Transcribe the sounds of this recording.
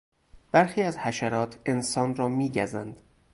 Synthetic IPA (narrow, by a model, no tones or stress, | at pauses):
b̥æɾxiːæzhæʃæɾɒːt̪ʰe̞nsɒːnrɒːmiːɟæzænd̪̥